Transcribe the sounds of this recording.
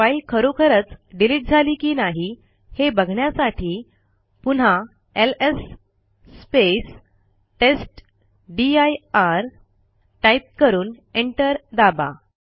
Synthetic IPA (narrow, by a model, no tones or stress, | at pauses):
ailkʰəɾokʰəɾət͡sɖiliʈ̚d͡zʱaliːkiːnaɦi | hebəɡʱɳjasaʈʰiː | pun̤ɦa | elesː | pes | ʈesʈ | ɖiajaɾ | ʈajp̚kəɾuːn | eɳʈəɾd̪aba̰